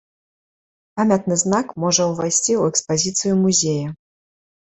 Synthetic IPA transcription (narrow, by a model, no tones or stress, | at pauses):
pamʲat̪nɨznakmɔʐɐwvajsʲt͡sʲiwɛkspazʲit̪sɨjumuzʲejɐ